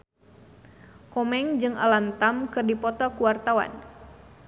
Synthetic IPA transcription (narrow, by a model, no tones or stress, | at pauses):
kɔmɛŋd͡ʒɨŋa̰lamt̪amkɨrdipɔt̪ɔkuwart̪awa̰n